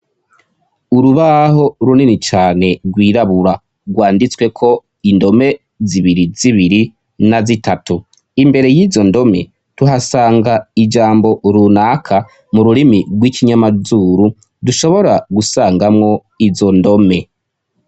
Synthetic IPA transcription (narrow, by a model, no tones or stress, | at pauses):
uɾuβaho̞ɾuninit͡ʃaːne̞ɾɡwiːɾaβuɾa | ɡwaːndit͡swe̞kʰo̞ | indo̞me̞ | ziβiɾiziβiɾi | nazitatu | imbe̞ɾe̞jiːzo̞ndo̞me̞̰ | tuɦasaːŋɡaid͡ʒaːmbo̞ɾunaːkʰa | muɾuɾimiɡwiːkiɲamazuːɾu | duʃo̞βo̞ɾaɡusaːŋɡamŋo̞ | izo̞ndo̞me̞